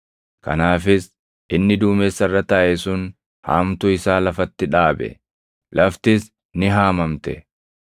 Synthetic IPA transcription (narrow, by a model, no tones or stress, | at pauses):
kɐ̰naːfɪs | ʔɪnːɪd̪uːmeːsːɐrːɐt̪ɐʔɛsʊn | ha̰ːmt̪ʊɪsaːlɐfɐt̪ːɪᶑaːbɛ̰ | lʔɐft̪ɪs | nɪɦaːmɐmt̪ɛ̰